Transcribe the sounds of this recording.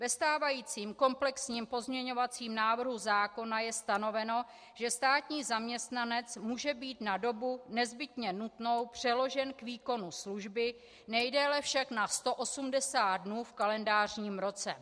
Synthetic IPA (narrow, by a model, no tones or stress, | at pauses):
vɛst̪aːvajiːt͡siːmko̞mplɛksɲiːmpo̞zmɲɛɲo̞vat͡siːmnaːvr̩ɦuzaːko̞najɛst̪ano̞vɛno̞ | ʒ̥ɛst̪aːt̪ɲiːzamɲɛst̪nanɛt͡smuːʒɛbiːt̪nado̞bunɛzbɪt̪ɲɛnut̪no̞wpr̝̥ɛlo̞ʒɛnkviːko̞nusluʒbɪ | nɛjdɛlɛfʃaknast̪o̞ʔosumdɛsaːt̪̚dnuːfkalɛndaːr̝ɲiːmɾo̞t͡sɛ̰